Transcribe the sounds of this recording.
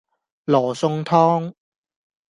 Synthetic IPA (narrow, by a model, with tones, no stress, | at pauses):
lɔː˨˩sʊ˧ŋt̪ʰɔː˥ŋ